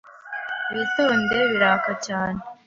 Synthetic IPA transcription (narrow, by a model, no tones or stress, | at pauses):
βitoːnde̞βiɾaːkacaːne